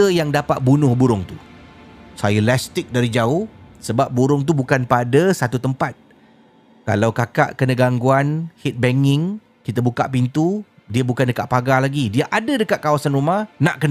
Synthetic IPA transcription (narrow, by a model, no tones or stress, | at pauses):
əjaŋdapat̪̚bunʊhbuɾʊŋt̪u | sajəlast̪ɪk̚daɾid͡ʒaʊhsəbap̚buɾʊŋt̪̬ubukanpadəsat̪ut̪əmpat̪̚ | ka̰lawkaka̰ʔkənə̃ɡaŋɡuanhit̪̚bɛŋɪŋ | kit̪əbuka̰ʔpint̪u | diəbukandəkaʔpaɡalaɡidiəʔadədəkaʔ̪̚kawasanrumahnaʔkənə